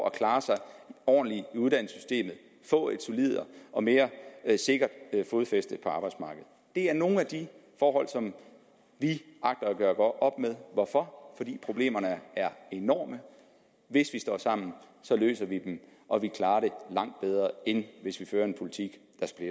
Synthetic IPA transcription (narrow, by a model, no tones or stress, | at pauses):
ʔækʰlɑ̈ːsɑ̈ɪɒ̰ːnliuð̞ˠdæn̰sy̥sd̥e̝̰ːmð̞̩ˠ | fɔ̰̽e̝d̥solið̰ˠɐɒ̽me̝ːɐse̝ɡ̥ɐd̥fo̝ːð̩ˠfesd̥əpʰɒ̽ɑ̈ːb̥ɑ̈ɪdsmɑ̈ːɡ̥əð̩ˠd̥e̝æɐno̝ːn̩æd̥ifɒːɦɒ̽l̰sɒ̽m | ʋiɑ̈ɡ̥̚d̥ɐːɡ̥ɶːɐɡ̥ɒ̥ʔɒ̽b̥með̞ˠʋɒfɒ̽fɒ̽d̥ḭːpʰʁo̝b̥le̝̰ːmɐnəæɐe̝nɒ̰ːmə | ʋe̝sʋisd̥ɒ̰ːsɑ̈m̰n̩ | sɒ̽lø̰ːsɐʋid̥emʔɒ̽ʋikʰlɑ̈ːɐɾe̝lɑ̈ŋ̰d̥̚b̥eð̞ˠʁɐːenʋe̝sʋiføːɐe̝npʰo̝lit͡sʰiɡ̥ | d̥ɑ̈sɡ̥b̥le